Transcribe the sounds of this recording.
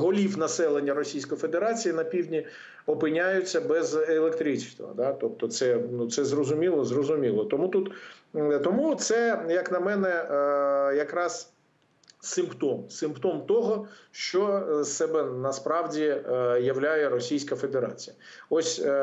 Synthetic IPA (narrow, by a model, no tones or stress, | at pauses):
ɦɔlʲiwnɐsɛlˠenʲːɐɾɔsʲijsʲkɔjfed̪eɾɑt͡sʲijinɐpʲiwdʲnʲi | ɔpɪnʲajʊt͡sʲːɐbɛzelˠekt̪ɾʲit͡ʃt̪ʋɐ̰d̪ɑt̪ɔp̚t̪ɔt̪sɛnut̪sɛzrɔzʊmʲilˠɔzrɔzʊmʲilˠɔt̪ɔmut̪ut̪t̪ɔmut̪sɛjɐknɐmɛnɛ | jɐkɾɑs | sɪmpt̪ɔmsɪmpt̪ɔmt̪ɔɦɔʃt͡ʃɔsɛbɛnɐspɾɑwdʲijɐwlʲajɛɾɔsʲijsʲkɐfed̪eɾɑ̰t͡sʲijɐ | ɔsʲ